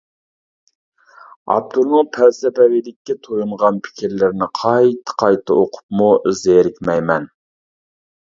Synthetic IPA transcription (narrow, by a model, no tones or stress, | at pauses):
ɑ̰p̚t̪ʰuɾnɨŋpʰæɾsɛpɛwilɪkʲːɛt̪ʰojuɴʁɑnpʰɪ̥kʲʰiɾlɪɾnɪqʰɑjt̪ʰɨ̥qʰɑjt̪ʰɑʔoqʰʊ̥p̚muzeɾɪkʲmɛjmɛn